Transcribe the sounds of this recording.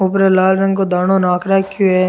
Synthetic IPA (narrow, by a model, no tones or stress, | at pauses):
ʊpɾelaːlɾɐ̃ŋɡkod̪aːnonaːkɾakjue